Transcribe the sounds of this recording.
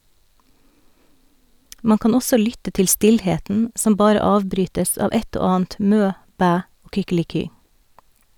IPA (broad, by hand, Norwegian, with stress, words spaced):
ˈmɑŋ ˈkɑːn ˈɔsɔ ˈlʏtə ˈtɪl ˈstɪlˌheːtn̩ ˈsɔm ˈbɑːɾə ˈɑːʋbɾyːtəs ˈɑːʋ ˈɛt ˈoː ˈɑːn̩t ˈmøː ˈbæː ˈoː kʏkɪlɪˈkyː